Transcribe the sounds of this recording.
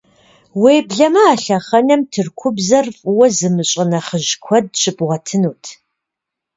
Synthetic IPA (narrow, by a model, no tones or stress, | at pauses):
weːbɮɐmɐaːɬɐχɐnɐmtʰɨrkʷʰʊbzɐrfʼwɐzɨmɨɕʼɐnɐχəʑkʷʰɔd̚ɕʼɪpʼʁʷɐtʰɨnuːtʰ